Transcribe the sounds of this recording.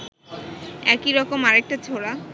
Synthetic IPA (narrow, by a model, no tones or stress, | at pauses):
ɛkiɾɔkomaɾek̚ʈat͡ɕʰoɽa